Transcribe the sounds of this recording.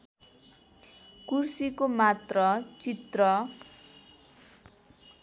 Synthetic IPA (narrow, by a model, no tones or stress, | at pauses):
kursikomat̪rʌt͡sit̪rʌ